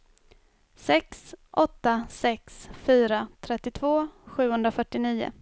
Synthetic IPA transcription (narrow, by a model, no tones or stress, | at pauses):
sɛksʔɔt̪ːasɛksfyːɾat̪ʰɾɛt̪ːɪt̪ʰvoːɧʉ̟ːhɵnd̪ɾafœʈːɪniːʊ̰